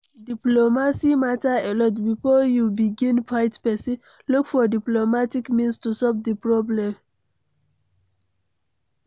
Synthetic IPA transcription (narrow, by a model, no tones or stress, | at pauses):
diplomasimataelɔtbifɔjubiɡĩnpʰaɪtpɛsĩ | lukfɔdiplomatikmĩnstusɔvdipɹɔblɛ̃m